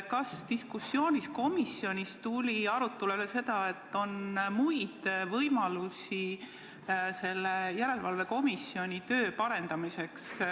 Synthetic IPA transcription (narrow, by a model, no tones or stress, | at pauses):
kɑst̪iskusːjo̞ːnʲisko̞misːio̞nʲist̪ulʲiɑɾut̪ːˑulelese̞d̪ɑe̞t̪ːo̞nmujd̪̥vɤjmɑlusi | se̞lːejæɾe̞lvɑlve̞ko̞misːjio̞nʲit̪ø̞ːpɑɾe̞nd̪̥ɑmise̞ks